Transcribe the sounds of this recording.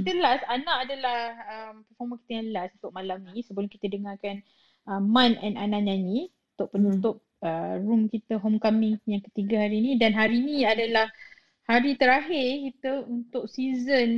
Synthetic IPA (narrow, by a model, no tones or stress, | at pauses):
kit̪əlasanãʔadalaəmpəfɔmə̃ki̥t̪əjaŋləlasunt̪ʊʔ̚malamnĩsəbəlʊŋki̥t̪ədəŋakan | əmãnɛ̰nanãʔɲaɲĩ | unt̪ʊʔ̚pənut̪ʊp̚ərumkit̪əɦomkamɪ̃ŋjaŋkə̥t̪iɡaɦaɾiːnĩdanɦaɾinĩadalah | haɾit̪əɾaɦɪrkit̪əunt̪ʊksizən